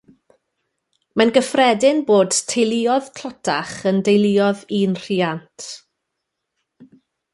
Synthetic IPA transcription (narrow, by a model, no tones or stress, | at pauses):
manɡəfrɛdɪnboːd̥tʰejlˠɪːɔðkʰlɔtʰaχəndejlˠɪːɔðiːnr̥iantʰ